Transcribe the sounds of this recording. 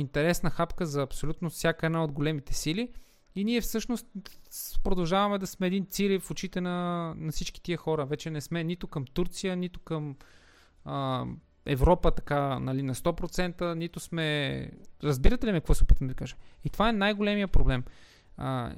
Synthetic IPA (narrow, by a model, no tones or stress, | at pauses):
int̪ɛɾɛsnəxapkəzɐːpsolʲut̪nofsʲjakəɛd̪naod̪ɡolɛmit̪ɛsili | iniɛfsɤʃnost̪pɾod̪ɐlˠʒavɐmɛd̪ɐsmɛːd̪int̪siɾifot͡ʃit̪ɛnɐnɐfsit͡ʃki̥t̪iəxɔɾəvɛt͡ʃɛnɛsmɛnit̪ʊkəmt̪uɾt̪sijənit̪ʊ̥kəm | ə | ɛ̰vɾɔpət̪ɐ̥kanɐlinɐst̪ɔpɾot̪sɛnt̪ənit̪ʊsmɛ | ɾɐzbiɾət̪ɛlimikɐkvɔsɛopit̪nod̪ikaʒəit̪ovaɛnajɡolɛmijəpɾoblɛm | ə̰